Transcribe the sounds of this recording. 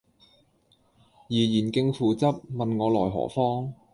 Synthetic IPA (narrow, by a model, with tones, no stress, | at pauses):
jiː˨˩jiː˨˩nkɪ˧ŋfuː˨˧t͡sɐ˥p̚mɐ˨nŋɔː˨˧lɔ̰ː˨˩jɦɔ̰ː˨˩fɔː˥ŋ